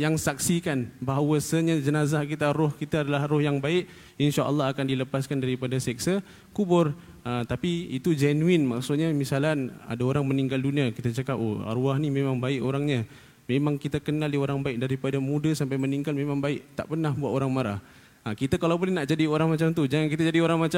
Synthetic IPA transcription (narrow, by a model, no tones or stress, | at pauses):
jaŋsak̚sikanbaɦawəsəɲad͡ʒənazahkit̪aɾɔhkit̪aadalahrɔhjaŋbaɪʔ | inʃaʔə̰lːɑɦakandiləpaskandaɾipadasɛk̚sə | kubʊr | ət̪apiit̪ud͡ʒɛnuɪnmaʔksʊt̪̚ɲamisalana̰daoɾaŋməniŋɡalduniakit̪at͡ʃakap̚o̰a̰ɾuaɦnimemaŋbaɪʔoɾaŋɲa | memãŋkit̪akənalioɾaŋbaɪk̚daɾipadamudasampajməniŋɡalmemãŋbaɪʔt̪a̰ʔpərnahbuat̪oɾaŋmaɾa̰h | əkit̪akalawbolɛhnaʔd͡ʒadioɾaŋmat͡ʃamt̪ud͡ʒaŋankit̪ad͡ʒadioɾaŋmat͡ʃa